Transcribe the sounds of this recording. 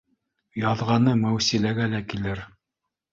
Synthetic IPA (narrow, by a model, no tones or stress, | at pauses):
jɑðʁɑnɤmæwsilæɡælækilɘɾ